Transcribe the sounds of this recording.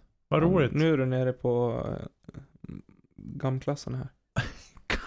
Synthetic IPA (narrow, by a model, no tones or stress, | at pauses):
ʋɑɾuːlɪnøːædʉneːɾəpʰɔ | ɡɑmːkʰlɑsənhæ̰ːɾ